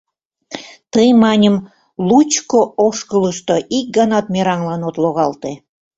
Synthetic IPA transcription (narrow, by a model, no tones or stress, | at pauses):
t̪əjmɑnʲəm | lut͡ɕkooʃkələʃt̪oʔik̚ɡɑnɑt̪meɾɑŋlɑnot̪loɣɑlt̪e